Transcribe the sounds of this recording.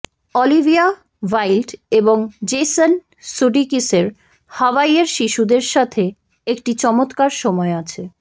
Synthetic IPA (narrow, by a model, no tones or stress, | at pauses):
ɔlibʱia | wajlɖeboŋd͡ʑeson | suɖikiseɾ | hawaieɾʃiʃud̪eɾʃat̪ʰe | ekʈit͡ɕɔmot̪kaɾʃɔmɔeat͡ɕʰe